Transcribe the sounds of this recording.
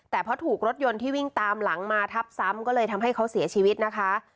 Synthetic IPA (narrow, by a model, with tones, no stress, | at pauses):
t̪ɛː˨˩pʰɾɔ˦˥t̪ʰuː˨˩k̚ɾo˦˥t̪̚jo˧nt̪ʰiː˥˩wi˥˩ŋt̪aː˧mla˩˦ŋmaː˧t̪ʰa˦˥p̚sa˦˥mkɔː˥˩lɤː˧jt̪ʰa˧mɦa˥˩jkʰa˦˥wsi˨˩˦ɐt͡ɕʰiː˧wi˦˥t̪̚na˦˥kʰa˦˥